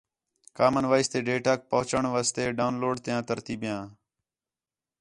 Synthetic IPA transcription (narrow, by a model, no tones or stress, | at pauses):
kaːmənʋaːɪst̪eːɖeːʈaːk̚pəɦt͡ʃəɳʋaːst̪eːɖaʊnloːɖt̪ɪjãːt̪əɾt̪iːbjãː